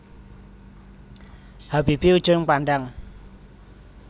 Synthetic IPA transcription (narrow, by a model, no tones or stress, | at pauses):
hab̥ib̥iud̥ʒ̥ʊnpaɳɖaŋ